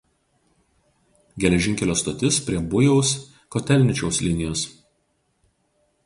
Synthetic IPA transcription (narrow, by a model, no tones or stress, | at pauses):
ɡʲɛlʲɛʒʲɪŋʲkʲɛlʲoːst̪oːt̪ʲɪspʲɾʲiɛbʊjɛʊs | kɔt̪ʲɛlʲnʲɪt͡ʃʲɛʊslʲɪnʲɪjoːs